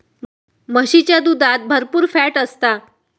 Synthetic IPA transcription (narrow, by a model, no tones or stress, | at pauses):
məɕit͡ɕjad̪ud̪ʱat̪̚bʱəɾpuːɾfæʈəst̪a